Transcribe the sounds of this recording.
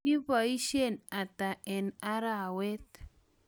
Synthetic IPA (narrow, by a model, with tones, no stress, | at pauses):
i˦βa˨i˦ʃe˦˨na˨ta˨ʔɛ˨na˦ɾa˦˨we˦t̪̚